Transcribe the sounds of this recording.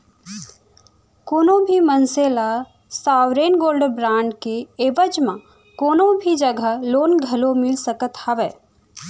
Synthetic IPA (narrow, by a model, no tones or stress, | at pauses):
koːnõbʱimənseːla | saːwɾeːnɡoːlɖbɾãːɳɖkeeːʋəd͡ʒmã | koːnõbʱid͡ʒəɡʱəloːnɡʱɐlomɪlsəkət̪hɐʋɛː